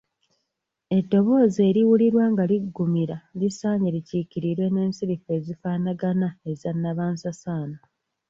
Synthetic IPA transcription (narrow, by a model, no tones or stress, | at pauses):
e̞dːo̞βo̞ːze̞ːɾiwuliɾwaːŋɡaliɡːumiɾalisaːɲeliciciɾiɾwe̞ne̞ːnsiɾife̞ːzifaːnaɡanae̞zanːaβaːnsasaːna